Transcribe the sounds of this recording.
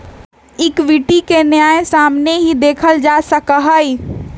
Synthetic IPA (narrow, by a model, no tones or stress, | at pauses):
ɪkʋɪʈikenjaːẽsaːmneɦid̪eːkʰəld͡ʒaːsəkəɦai